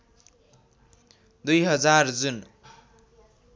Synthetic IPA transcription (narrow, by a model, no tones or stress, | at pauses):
d̪ujɦʌd͡zard͡zun